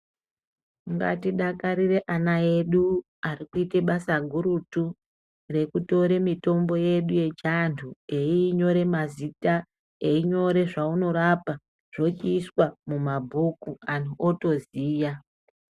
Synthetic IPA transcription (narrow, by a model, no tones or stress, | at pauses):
ŋɡa̰tiɗakaɾire̞ʔanae̞ɗu | arikuite̞ɓasaɡʱuɾutu | re̞kuto̞ɾe̞mito̞mbo̞je̞ɗuje̞t͡ʃantʰue̞iːɲo̞ɾe̞mazita | eiɲo̞ɾe̞ʐauno̞ɾapa | ʐ̥o̞t͡ʃiːswamumabʱukuanʰuʔoto̞ziːja